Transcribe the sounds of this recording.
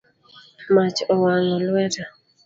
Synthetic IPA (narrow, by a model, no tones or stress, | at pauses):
mat͡ʃɔwaŋɔlwɛta